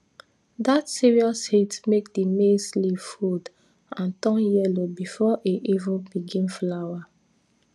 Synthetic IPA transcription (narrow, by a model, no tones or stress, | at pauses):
datsiɹiɔshitmek̚dimeslivfud | ãntɔ̃njɛlobifɔʔeʔivə̃biɡĩnflawa